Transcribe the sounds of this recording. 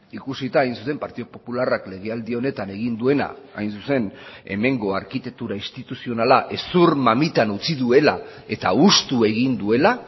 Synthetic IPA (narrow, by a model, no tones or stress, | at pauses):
ikusit̪aːjnsuse̞mpaɾt̪iðopo̞pularakle̞ɣ̞e̞ald̪io̞ne̞t̪ane̞ɣ̞ind̪ue̞na̰ajnsuse̞ne̞me̞ŋɡo̞aɾkit̪e̞k̚t̪uɾaist̪it̪usio̞nalaʔe̞suɾmamit̪anut͡siðue̞lae̞t̪aust̪ue̞ɣ̞ind̪ue̞la